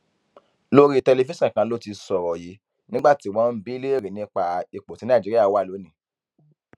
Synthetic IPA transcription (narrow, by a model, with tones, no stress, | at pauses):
lo˦ɾi˦˧tɛ˧le˧fi˦sɛ̃˦˨kã˧˦lo˦ti˧sɔ˨ɾɔ˨ji˨˦ | nĩ˦ɡ͡ba˦˨ti˨˦˨wɔ̃˨˦m̩˦bi˦le˦e˦˨ɾi˨nĩ˨˦k͡pa˧i˧k͡po˨tĩ˨˦nã˦˨d͡ʒi˦ɾi˦a˦˨wa˦˨lo˨˦nĩ˨